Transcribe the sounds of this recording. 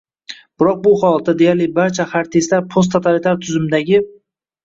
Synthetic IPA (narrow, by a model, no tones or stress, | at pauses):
b̥ɪɾɒq̚bʊχɒlˠat̪ːad̪ejaɾlɪbaɾt͡ʃʰaχaɾt̪ʰeslaɾpʰost̪ʰːat̪ʰalit̪ʰaɾt̪ʰʊzɪmd̪aɡʲɪ